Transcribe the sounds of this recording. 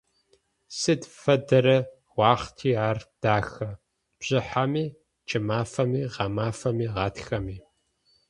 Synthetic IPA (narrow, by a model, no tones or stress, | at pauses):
sɨdfɐdɐɾɐ | wʷɑːχtʰiːaːrd̥aːxɐ | b̥ʑ̥ɪħamiː | t͡ʃʼɪmaːfɐmiːʁɑmaːfɐmiːʁɑːtxɐmiː